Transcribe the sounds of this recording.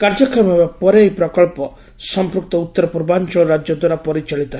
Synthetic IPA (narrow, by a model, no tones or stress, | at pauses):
kaɾd͡ʒɔkʰɔmebapɔɾejpɾɔkɔɭpɔ | sɔmpɾuk̚t̪ɔut̪ːɔɾɔpuɾbant͡ʃɔɭɔɾad͡ʒjɔd̪waɾapɔɾit͡ʃaɭit̪ɔ